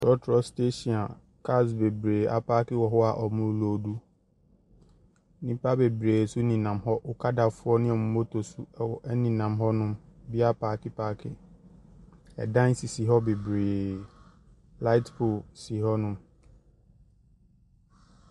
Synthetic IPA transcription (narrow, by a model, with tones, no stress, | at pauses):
tɔ˦tʰɾɔ˦ste˦ɕi˨a˨ | kʰa˦˨s̬be˨bɾeː˨a̰˨pa˦kɪ˦wɔ˨ɦɔ˦a˨ʔɔ˨mʊ̃˨ɾlo˨du˦ | nĩ˦pa˦be˨bɾeː˨su˦nĩ˨nã˨mɦɔ˦ʔʊ˨kʰa˦da˨fʊ˦ɔ˦nɪ̃˦ɔ˨mũ˨˦mo˦tʰo˨su˦ɛ˨wɔ˨ʔɛ˦nĩ˨nã˨mɦɔ˦nʊ̃˦mbi˦a˦pʰa˨kɪ˦paː˦kʰɪ˨ | ɛ̰˨dã˦n˦si˨si˨ɦɔ˦be˨bɾeː˨ | la˦ɪ˦tpʰo˨si˨ɦɔ˦nʊ̃˦m